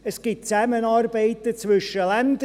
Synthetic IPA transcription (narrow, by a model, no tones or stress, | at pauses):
əsɡ̥ɪtsɛmənɔrbeɪt̚dət͡sʰvʉʃəlɛmd